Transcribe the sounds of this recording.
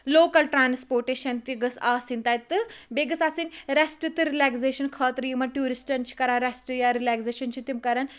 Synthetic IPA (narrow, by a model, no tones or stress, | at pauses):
loːkɐlʈɾaːnspoːɾʈeːʃɐnt̪iɡɐsaːsint̪ajt̪ɨbeɡɐsaːsinɾɐsʈɨt̪ɨɾilakseːʃɐnkʰɐːt̪ɾiimɐʈuːɾisʈɐnt͡ʃʰi̥kɐɾaːnɾɐsʈɨjaɾilakseːʃɐnt͡ʃʰit̪imkɐɾan